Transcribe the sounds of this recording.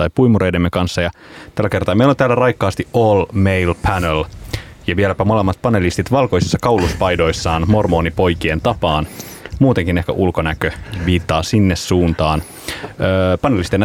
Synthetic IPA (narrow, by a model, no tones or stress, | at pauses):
ɑjpujmuɾe̞jdemːekɑnsːɑjɑ | t̪ælːæke̞rt̪ɑːmeilont̪æːlærɑjkːɑːst̪ioːlmejlpʰænel | jɑʋielæpæmolemːɑt̪̚pɑne̞list̪it̪ʋɑlko̞jsisːɑkɑwluspɑjdo̞jsːɑːnmo̞rmo̞ːnipo̞jkient̪ɑpɑːn | muːt̪eŋkine̞hkæ̰ʔulkonækøʋiːt̪ːɑːsinːessuːnt̪ɑːn | øːpɑnelist̪en